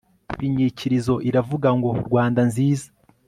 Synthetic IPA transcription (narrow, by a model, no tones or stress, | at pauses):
iɲiciɾizo̞ʔiɾavuɡaŋɡo̞ɾɡwaːndanziːzḁ